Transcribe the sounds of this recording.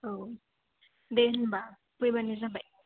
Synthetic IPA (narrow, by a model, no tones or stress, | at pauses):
o | denba | pujbanizabaj